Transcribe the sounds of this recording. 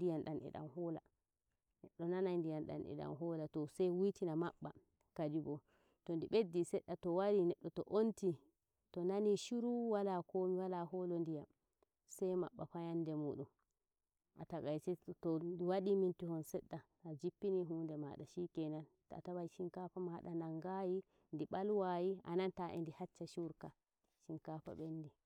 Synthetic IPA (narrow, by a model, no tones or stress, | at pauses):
dijanɗanɛ̰ɗa̰mhɔːla̰ | nɛɗːɔnanajndijanɗa̰nɛ̰ɗa̰mɦɔlatɔsajwitinamaɓːa | kad͡ʒiɡɔ | tɔndiɓedːisɛɗːatɔwaɾinɛɗːɔtɔʔonti | tɔnaniʃuɾuwalakomiwalaɦɔlondijam | sajma̰ɓːafajandɛmuɗum | ʔataɡajt͡ʃɛtɔdwaɗimintihɔnsɛɗːa | ad͡ʒipːiniɦuːndɛma̰ɗaʃikɛnan | ta̰tabajʃiŋkafamaɗanaŋɡaji | ndiɓalwajia̰nantaʔɛ̰ndihat͡ʃːaʃuɾka | ʃinkafa̰ɓendi